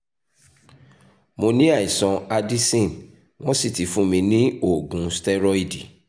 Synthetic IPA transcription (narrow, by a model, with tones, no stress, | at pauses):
mo˧nĩ˦a˦˨i˨sɔ̃˧a˧di˦sĩ˦˨n | w̃ɔ̃˦si˦˨ti˨˦fũ˦mĩ˧nĩ˦o˦˨ɡũ˨˦stɛ˦ɾɔ˦i˦˨di˨